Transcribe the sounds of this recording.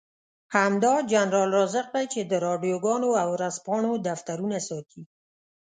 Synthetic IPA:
hamd̪ɑd͡ʒanɾɑlɾɑzəq̚d̪ajt͡ʃed̪əɾɑɖijoɡɑnoawɾaspɑɳod̪aft̪aɾunasɑt̪ʰi

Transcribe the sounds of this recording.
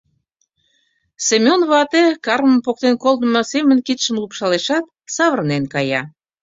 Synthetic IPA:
semʲonβɑt̪ekɑrməmpok̚t̪enkolˠd̪əmɤsemənkit̪ʃəmlukʃɑleʃɑt̪̚ | sɑβərnenkɑjɑ

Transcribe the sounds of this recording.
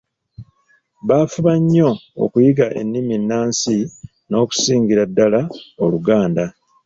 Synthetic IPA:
βaːfuβaɲːo̞o̰kujiɡaʔe̞̰nːiminːaːnsi | no̞ːku̥siːŋɡiɾadːalao̞luɡaːnda

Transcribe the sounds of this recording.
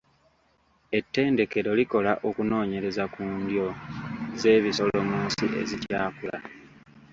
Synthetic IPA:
e̞tːe̞ːnde̞ke̞ɾo̞liko̞laʔo̞kuno̞ːɲe̞ɾe̞zakuːndjo̞ze̞ːβiso̞lo̞moːsḭʔe̞̰zitjaːkula̰

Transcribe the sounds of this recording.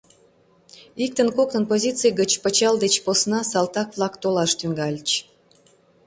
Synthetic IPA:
ik̚t̪ənkoknənpozʲit͡sɨjɡət͡ɕpət͡ɕɑld̪et͡ɕposnɑsɑlt̪ɑkβlˠɑkt̪olɑʃt̪yŋɡɑlʲt͡ɕ

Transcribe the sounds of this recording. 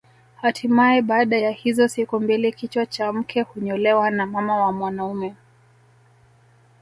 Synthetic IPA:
hatʰimaɛɓaːɗajahizɔsikumbilikit͡ʃwat͡ʃam̩kʰɛhuɲɔlɛwanamamawamwanaumɛ

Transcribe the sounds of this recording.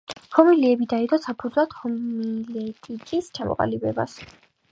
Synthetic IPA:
hɔmiliɛbid̪aid̪ɔsapʰud̪zlˠat̪hɔmilɛt̪ʼikʼist͡ʃʰamɔ̰qʼa̰libɛba̰s

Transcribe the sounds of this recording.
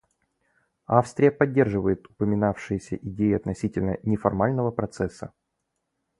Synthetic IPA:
afst̪ɾʲɪjəpɐdʲːe̞rʐɨvəjɪt̪ʊpəmʲɪnafʂɨjɪsʲəʔɪdʲejɪɐt̪nɐsʲitʲɪlʲnənʲɪfɐrmalʲnəvəpɾɐt̪sɛsːə̰

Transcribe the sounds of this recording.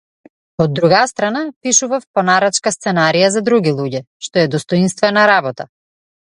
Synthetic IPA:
od̪ːɾuɡast̪ɾanapiʃuvafpɔnaɾat͡ʃkast̪sɛnaɾijazad̪ɾuɡilˠuɟɛ | ʃt̪ɔɛd̪ɔst̪ɔinst̪vɛnaɾabɔt̪a̰

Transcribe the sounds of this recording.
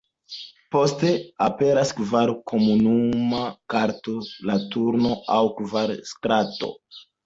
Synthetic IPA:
po̞ste̞ape̞ɾaskvaɾkʰo̞munumakaɾto̞latuɾno̞awkvaɾskɾato̞̰

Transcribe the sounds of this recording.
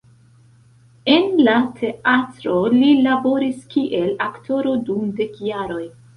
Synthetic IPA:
e̞nlatʰe̞atɾo̞lilabo̞ɾiskiʔe̞laktʰo̞ɾo̞dumde̞kjaɾo̞j

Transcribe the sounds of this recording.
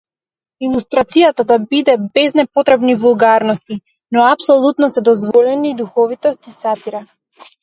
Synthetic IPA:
ilˠust̪ɾat̪sijat̪ad̪abid̪ɛbɛznɛpɔt̪ɾɛbnivulˠɡaɾnɔst̪i | nɔapsɔlˠut̪nɔsɛd̪ɔzvɔlɛnid̪uxɔvit̪ɔst̪isat̪iɾa

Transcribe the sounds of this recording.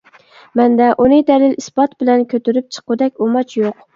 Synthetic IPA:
mɛnd̪ɛʔunɨd̪ɛlɪlispɑt̪bɪlɛnkʲʰøt̪yɾyp̚t͡ʃʰə̥qʊd̪ɛkʲomɑt͡ʃʰjoq

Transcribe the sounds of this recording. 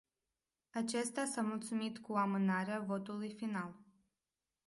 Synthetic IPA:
at͡ʃe̞st̪asamult̪sumit̪kuamɨnaɾeavo̞t̪ulujfinal

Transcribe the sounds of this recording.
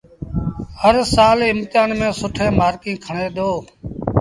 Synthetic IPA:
həɾsaːlɪmt̪aːnmẽːsʊʈʰẽːmaːɾkĩːkʰəɳeːd̪oː

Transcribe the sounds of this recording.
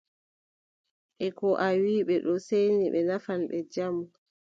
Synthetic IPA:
ʔɛkɔʔawiːɓɛɗɔsejniɓɛnafanɓɛd͡ʒamu

